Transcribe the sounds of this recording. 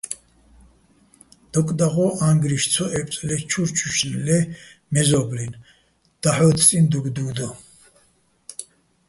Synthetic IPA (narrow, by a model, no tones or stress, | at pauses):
d̪̥ɔkʼd̪aʁɔãŋɡɾiʃt͡sʰɔʔɛpʼt͡sʼlɛt͡ʃʰuɾt͡ʃʰuʃnlɛmɛzɔblin | d̪̥aħɔt̪ʰt͡sʼind̪uɡd̪uːd̪ɔ